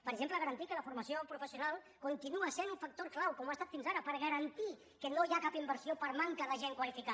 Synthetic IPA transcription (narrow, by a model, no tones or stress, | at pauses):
pəɾəɡʒempləɣ̞əɾənt̪ikələfuɾməsiopɾufəsiunalˠ | kunt̪inuəsenuɱfək̚t̪oɾklawkɔmuast̪at̪finzaɾəpəɾɣ̞əɾənt̪i | kənojakapimbəɾsiopəɾmaŋkəðəʒeŋkwəlifika